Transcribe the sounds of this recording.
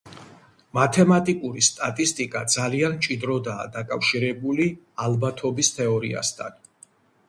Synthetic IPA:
mat̪ʰɛmat̪ʼikʼuɾist̪ʼat̪ʼist̪ʼikʼad̪zalianmt͡ʃʼid̪ɾɔd̪a̰ːd̪akʼafʃiɾɛbuli | albat̪ʰɔbist̪ʰɛɔɾḭa̰st̪ʰan

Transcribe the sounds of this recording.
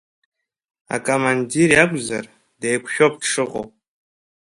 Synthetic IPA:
a̰kʼomandirjakʷʼzar | dejkʷʰʃᶣopʈ͡ʂʰɨqʼo̰

